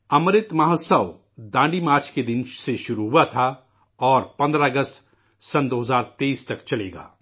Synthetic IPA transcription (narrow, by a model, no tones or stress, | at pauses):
ɐmɾɪt̪mɐɦosəʋ | d̪ãːɳɖimaːɾt͡ʃked̪ɪ̃nʃseʃʊɾuɦuat̪ʰa | ɔːɾpɐ̃nd̪ɾaəɡəst̪ | sɐ̃nd̪oːɦəzaːɾt̪eiːst̪ɐkt͡ʃɐleːɡa̰ː